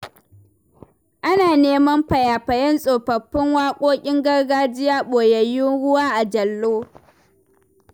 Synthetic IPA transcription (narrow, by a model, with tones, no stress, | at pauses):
ʔa˦naː˨neː˦mɐ˦mɸɐ˨jaː˨ɸɐ˨jɐ˦nsʼoː˨ɸɐ˨ɸːɪ˦ŋwaː˦kʷʼoː˦kʲʼɪ˦ŋɡɐ˦rɡaː˦d͡ʒɪ˦jaː˦ɓoː˨jɐ˨jʊ˦nɽʊ˦waː˦ʔa˨d͡ʒɐ˨lːoː˦